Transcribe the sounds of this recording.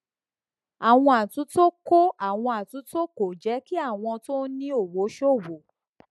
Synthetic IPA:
a˨w̃ɔ̃˧a˨tũ˨˦to˦ko˦a˨w̃ɔ̃˧a˨tũ˨˦to˦ko˨d͡ʒɛ˨˦ki˦a˦˨w̃ɔ̃˧to˦nĩ˦o˨wo˨˦ʃo˦˨wo˨˦

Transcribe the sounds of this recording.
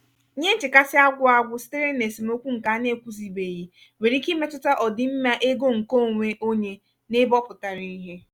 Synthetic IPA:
ɲe˦n̩˦t͡ʃɪ˨ka˦sɪ˦a˦ɡʷʊ˦a˦ɡʷʊ˦si̥˦te˦ɾe˦e˨si˨mo˦kʷu˦ŋ̩˨ka˨˦ne˦˨kʷu˦zi˨be˨ji˦ | we˨ɾi˦ki˦me˦tʊ˦ta˦ʔɔ˨dɪ˨m̩˦ma˦ʔe˦ɡo˦ŋ̩˨ko˦˨ŋʷe˦ʔo˦ɲe˦ | nɪ˦bɔ˦pʊ˨ta˨ɾi˦i˦ɦe˦

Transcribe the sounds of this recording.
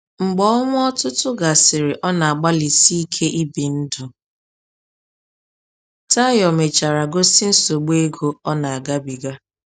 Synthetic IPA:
ŋ͡m̩˨ɡ͡bɔ˦ŋʷʊ˦ɔ˦tʊ˦tʊ˦ɡa˨sɪ˨ɾɪ˨ʔɔ˦na˨a˨ɡ͡ba˦li˨si˦i˦kʰe˦ʔi˦bi˨n̩˦dʊ˨ | ta˦jɔ˨me˨t͡ʃa˨ɾa˨ɡo˦si˦n̩˦so˨ɡ͡be˦ɡo˨ɔ˦na˨a˨ɡa˦bi˨ɡa˦

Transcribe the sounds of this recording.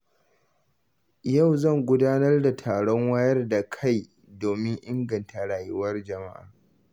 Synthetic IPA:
ja˦˨wzɐ˦˨ŋɡʷʊ˦daː˦nɐ˦rda˨tʰaː˨ɽɔ˦ŋwa˦jɐ˦rda˨kʰa˦˨j | doː˨mɪ˦ŋʔɪ˦ŋɡɐ˨ntʰa˨ɽaː˨jʊ˦wɐ˦rd͡ʒɐ˨ma̰˦ʔa̰ː˨

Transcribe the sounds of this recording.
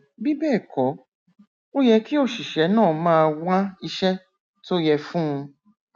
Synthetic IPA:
bi˦bɛː˦˨kɔ˨˦ | o˦jɛ˧ki˦o˦˨ʃi˨ʃɛ˨˦nãː˦˨mãː˦˧wã˦i˧ʃɛ˦ | to˦jɛ˧fũ˦ũ˧

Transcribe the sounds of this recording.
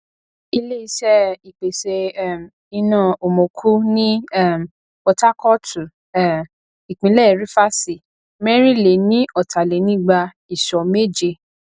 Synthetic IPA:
i˧le˦i˧ʃɛ˦i˨k͡pe˨se˧˦˨m˨ | i˧nã˧˨o˨mo˨kʰu˦nĩ˦˨m˨ | ɔ˧ta˦kɔ˦tʰu˨˦˨ | i˨k͡pĩ˨˦lɛ˦˨ɾi˦fa˦si˨ | mɛ˦ɾ̃ĩ˦le˨˦nĩ˦ɔ˦˨tʰa˨le˨˦nĩ˦ɡ͡ba˧ | i˨ʃɔ˨me˦d͡ʒe˧

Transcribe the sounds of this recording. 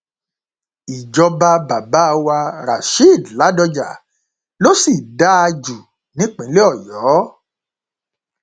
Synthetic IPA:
i˨d͡ʒɔ˧ba˧ba˨ba˨˦˧wa˧ɾa˨ʃi˦˨dla˨˦dɔ˧d͡ʒa̰˨ | lo˦si˨da˦a˧d͡ʒu˨ | nĩ˨˦k͡pĩ˨˦le˦ɔ˦˨jɔː˨˦

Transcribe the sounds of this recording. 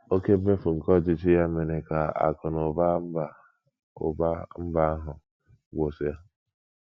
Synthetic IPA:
o˦ke˦e˦fu˨ŋ̩˨kɔ˦˨d͡ʒɪ˦t͡ʃɪ˦ja˦me˨ne˨ka˨a̰˨kʊ˨nʊ˨ba˦ba˨ | ba˦m̩˦ba˦a˦ɦʊ˨ | ɡʷo˨sʊ˨ja˦

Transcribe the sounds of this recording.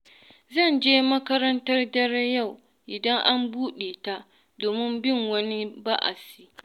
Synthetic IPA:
zɐ˦˨nd͡ʒeː˦mɐ˦kɐ˦ɾɐ˦ntɐ˦rdɐ˦ɾɛ˦ja˦˨w | ʔɪ˨dɐ˦ŋʔa˦mbuː˦ɗe˨ta˦ | doː˨mɪ˦mbɪ˦˨ŋwɐ˦ni˦ba˦ʔa̰˨si˦

